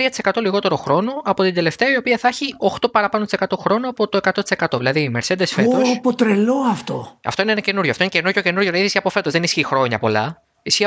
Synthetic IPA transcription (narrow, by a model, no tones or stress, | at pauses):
t̪ɾiɐt̪ise̞kɐt̪o̞liɣo̞t̪e̞ɾo̞xɾo̞no̞ʔɐpo̞t̪ind̪e̞le̞ft̪eɐio̞piɐθɐçio̞xt̪o̞pɐɾɐpɐnot̪ise̞kɐt̪o̞xɾo̞noɐpo̞t̪o̞ekɐt̪o̞t̪i̥se̞kɐt̪o̞ðilɐðimeɾsed̪esfet̪ospot̪ɾeloɐft̪o̞ɐ̰ft̪o̞inenɐce̞nuɾʝoɐft̪o̞inece̞nococe̞nuɾʝonɐðiðisçiɐpo̞fe̞t̪o̞zðenisçixɾo̞ɲɐ̰po̞lɐ̰ | isçiɐ